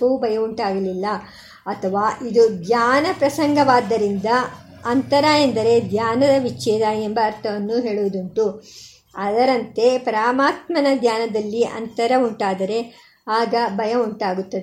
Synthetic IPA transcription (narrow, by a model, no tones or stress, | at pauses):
ubɐjɐuɳʈaːɡɐlilːɐ | ɐt̪ʰɐʋaːʔid̪ud̪jaːnɐpɾɐsɐŋɡɐʋaːd̪ːɐɾind̪ɐ | ɐnt̪ɐɾɐend̪ɐɾe̞d̪ʱjaːnɐd̪ɐʋit͡ʃːɛːd̪ɐembɐːɾt̪ʰɐʋɐnːuɦe̞ːɭuʋd̪uɳʈu | ɐd̪ɐɾɐnt̪e̞pɐɾaːmaːt̪mɐnɐd̪ʱjaːnɐd̪ɐlːiʔɐ̰nt̪ɐɾɐuɳʈaːd̪ɐɾe̞ | aːɡɐbɐjɐuɳʈaːɡut̪ːɐd̪e